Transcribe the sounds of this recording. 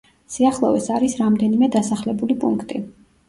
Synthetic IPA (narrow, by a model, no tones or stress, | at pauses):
siaχlˠɔvɛsaɾisɾamd̪ɛnimɛd̪asaχlɛbulipʼṵŋkʰt̪ʼi